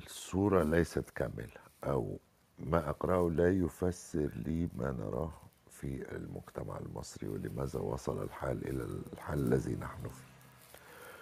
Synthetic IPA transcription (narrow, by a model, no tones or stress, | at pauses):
sˤuːɾˤɑlajsat̪kamːɪlaʔaw | maʔɑqɾˤɑʔlaːjʊfasːɪɾliːmaːnɑ̰ɾˤɑːh | fiɪlmʊɡt̪ama̰ʕɪlmɑsˤɾḭwɪ̰lɪmæːzawɑ̰sˤɑlalħaːlʔɪ̰læħaːlːalːazinaħnʊfi̥